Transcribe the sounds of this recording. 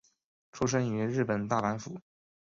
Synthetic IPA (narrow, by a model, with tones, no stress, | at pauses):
ʈ͡ʂʰu˥ʂ̬ə˥ŋy˧˥ɻɻ̩˥˩pə˨˩nt̪a˥˩pa˧˥nfṵ˧˩˦